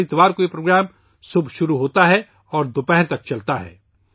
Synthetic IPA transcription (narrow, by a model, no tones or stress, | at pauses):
ɾɪt̪ʋaːɾkoepɾoːɡɾaːm | sʊbʱʃʊɾuɦoːt̪aɦɛ | ɔːɾd̪opɛɦɾt̪ɐk̚t͡ʃɐlt̪aɦɛ̰ː